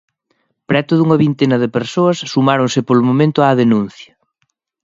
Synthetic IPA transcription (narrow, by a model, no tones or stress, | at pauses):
pɾɛt̪ʊðuŋɐβint̪enɐðɪpeɾsoɐsːumaɾonsɪpolʊmomẽnt̪ʊaðenũn̟θjɐ